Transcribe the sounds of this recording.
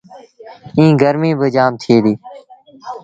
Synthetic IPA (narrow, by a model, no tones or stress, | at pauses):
ĩːɡʱəɾmĩːbəd͡ʒaːmt̪ʰɪeːd̪iː